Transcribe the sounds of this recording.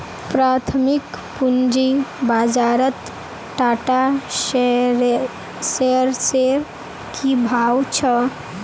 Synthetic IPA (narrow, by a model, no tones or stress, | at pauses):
pɾat̪ʰəmik | pund͡ʒibad͡ʒaɾət̪ | ʈaːʈaʃ | seɾseɾ | kʰibʱawt͡ʃʰə